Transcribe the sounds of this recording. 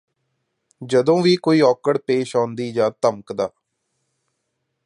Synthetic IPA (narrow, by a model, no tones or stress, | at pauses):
d͡ʒəd̪õːʋiːkoːiːɔːkəɽpeːʃãːnd̪iːd͡ʒãːt̪əməkd̪a̰ː